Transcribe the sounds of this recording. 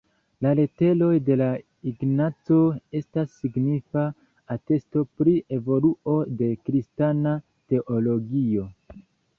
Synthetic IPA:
lale̞te̞lo̞jde̞la | iɡnat͡so̞e̞stasːiɡnifa | ate̞sto̞pɾie̞vo̞luo̞de̞kɾistana | te̞ʔolo̞ɡio̞

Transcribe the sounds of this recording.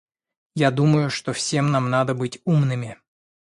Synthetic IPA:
jad̪uməjʊʂt̪o̞fsʲe̞mnamnad̪əbɨtʲumnɨmʲɪ

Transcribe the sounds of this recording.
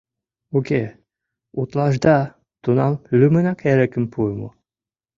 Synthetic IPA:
ukʲe | ut̪lˠɑʒd̪ɑ | t̪unɑmlymə̆nɑkeɾĕkə̆mpʰumo̰

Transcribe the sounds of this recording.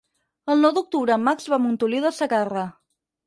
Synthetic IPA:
əlˠnɔwd̪uk̚t̪uβɾəːmːakzβamunt̪uliðəsəɣarə

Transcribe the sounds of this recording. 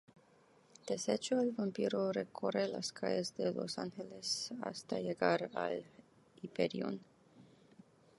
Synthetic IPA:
d̪̥eset͡ʃoalvampiɾorekʰorelaskʰajezd̪elo̞̰saŋxelesast̪ajeɡaɾal | ipeɾiṵn

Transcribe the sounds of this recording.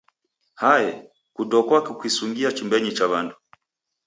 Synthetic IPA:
hajɛ | kudɔkwakikwisuŋɡiat͡ʃumbɛɲit͡ʃaβandu

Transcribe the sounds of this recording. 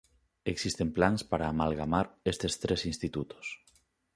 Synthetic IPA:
eksist̪emplaŋspaɾaːmalɣamaɾest̪est̪ɾesinst̪it̪ut̪o̥s

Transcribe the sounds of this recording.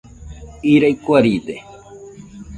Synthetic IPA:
iɾajkwaɾiːd̪e

